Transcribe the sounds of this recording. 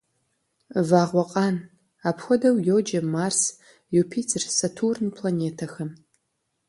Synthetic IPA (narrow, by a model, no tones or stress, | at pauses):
vaːʁʷɔqʼɑːn | aːpxʷɔdɐwjowd͡ʒɐmaːrs | jupʰiːt͡sʰʼrsɐtʰurnpʰlaneːtʰɐxɐm